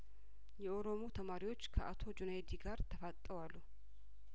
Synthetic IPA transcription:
jɛoɾo̞mo̞t̪ʰɐmaːɾɪwot͡ʃːkʰɐʔat̪ʰo̞d͡ʒʊnajd̪iɡaːɾt̪ʰɐfat̪ʼːəwalːu

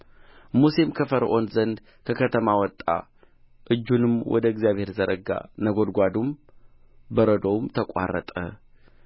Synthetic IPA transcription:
musemkʰəfəɾʔo̞nzənd̪ | kʰəkʰət̪ʰəmawɔt̪ʼːa̰ | ʔɨd͡ʒːunɨmwʔɔ̰d̪əɪɡzijaβhe̞ɾzəɾʔəɡa̰nəɡo̞d̪ɡʷad̪um | bəɾəd̪owmt̪ʰəkʷʼa̰rːə̰t̪ʼə̰

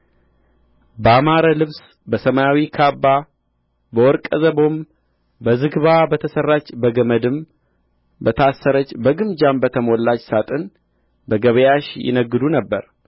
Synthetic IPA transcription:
bəamaɾəlɨβs | bəsəmajawikʰabːa | bəwɔɾkʼəzəbo̞m | bəzɨɡβabət̪ʰəsərːat͡ʃːbəɡəməd̪ɨm | bət̪ʰasːəɾət͡ʃːbəɡɨmd͡ʒambət̪ʰəmolːat͡ʃːsat̪ʼɨn | bəɡəβəjaʃjɪ̰nəɡɨd̪unəbːəɾ

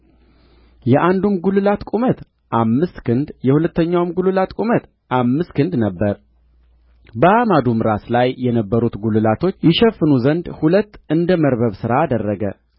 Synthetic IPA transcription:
jɛʔand̪umɡulɨlat̪kʼumət̪ | ʔamːɨst̪kʰɨnd̪jɛhulət̪ʰːəɲːawmɡulɨlat̪kʼumət̪ | ʔamːɨst̪kʰɨnd̪nəbːəɾ | bəamad̪umɾaslajjɛnəbːəɾut̪ɡulɨlat̪ʰo̞t͡ʃːjɪʃɛfːɨnuzənd̪hulət̪ːɨnd̪əməɾβəβsɨɾaːd̪ərːəɡə̰

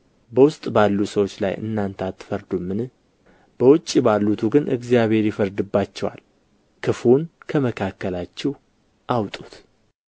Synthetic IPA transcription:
bəwʊst̪ʼbalːusəwo̞t͡ʃːla̰jʔɨ̰nːant̪ʰat̪ːfəɾd̪umːɨnɨ | b̥əwʊt͡ʃʼːibalːut̪ʰuɡɨnʔɨ̰ɡzjaβhe̞ɾjɪfəɾd̪ɨbːat͡ʃːɛwa̰l | kʰɨfunkʰəməkʰakːəlat͡ʃːɛw | ʔawt̪ʼu̥t̪

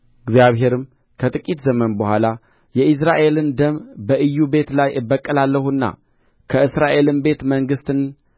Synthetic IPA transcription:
ɨɡzjaβɦe̞ɾɨm | kʰət̪ʼɨkʼit̪zəmənbəhʷala | jɛʔɨs̬ɾaʔe̞lɨnd̪əmbəʔɨjːube̞t̪lajɨbəkʼːəlalːəhunːa̰ | kʰəɨsɾaʔe̞lɨmbe̞t̪məŋɡɨst̪ɨn

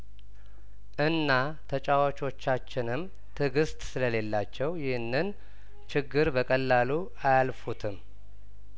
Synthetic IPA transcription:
ʔɨnːa | t̪ʰət͡ʃʼawat͡ʃʼo̞t͡ʃːat͡ʃːɪnɨm | t̪ʰɨɡɨst̪ʼsɨləle̞lːat͡ʃːɛwjɪhɨnːɨn | t͡ʃɪɡːɨɾbəkʼəlːalu | ajalfut̪ʰɨm

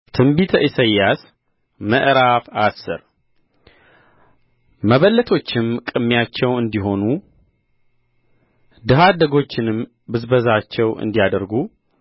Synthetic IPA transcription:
t̪ʰɨmbit̪ʰəʔisəjːas | məʔɾafasːɨ̰ɾ | məβəlːət̪ʰo̞t͡ʃːɪmkʼɨmːjat͡ʃːɛwɨnd̪iɦo̞nu | d̪ɨɦad̪əɡo̞t͡ʃːɪnɨm | bɨzbəzat͡ʃːɛwɨ̰nd̪ijad̪əɾɡu

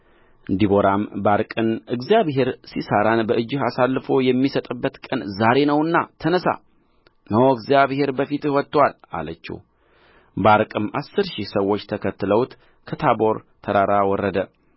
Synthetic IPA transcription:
ɨnd̪iboɾambaɾkʼɨnɨɡzjaβɦe̞ɾsisaɾanbəʔɨd͡ʒːɪɦasalːɨfo̞jɛmːisət̪ʼɨbːət̪kʼənzaɾe̞nəwɨnːat̪ʰənəsa̰ | nəwɨɡzijaβhe̞ɾbəfit̪ɨhwɔt̪ːwala̰lət͡ʃːḭ | baɾkʼɨmasːɨɾʃihsəwːo̞t͡ʃːt̪ʰəkʰət̪ːɨləwt̪ | kʰət̪ʰabo̞ɾt̪ʰəɾaɾawɔrːəd̪ə

